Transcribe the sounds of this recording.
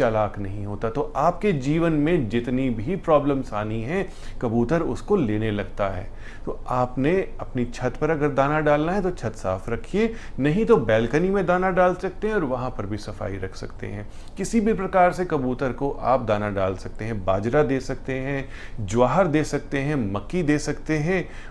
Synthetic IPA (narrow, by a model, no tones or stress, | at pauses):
t͡ʃɐlaːknɐɦĩɦoːt̪at̪oʔaːpked͡ʒiːʋənmẽd͡ʒɪt̪nibʱipɾɔːbləmsaːniɦɛ̃ | kɐbuːt̪əɾʊ̰skoleːnelɐɡt̪aɦɛ̰ː | t̪oaːpneɐpnit͡ʃʰɐt̪pɐɾɐɡəɾd̪aːnaɖaːlnaɦɛ̃t̪ot͡ʃʰɐt̪sa̰ːfɾɐkʰie | nɐɦĩt̪obɛːlkənimẽd̪aːnaɖaːlsɐk̚t̪eɦɛ̃ɔːɾʋɐɦãpɐɾbʱisɐfa̰ːiɾɐkʰsɐ̰kt̪ḛɦɛ̃ː | kɪsibʱipɾɐkaːɾsekɐbuːt̪əɾkoʔaːp̚d̪aːnaɖaːlsɐk̚t̪eɦɛ̃baːd͡ʒɾad̪eːsɐk̚t̪eɦɛ̃ː | d͡ʒʊaːɦəɾd̪eːsɐk̚t̪eɦɛ̃mɐkːid̪eːsɐkt̪eɦɛ̃ː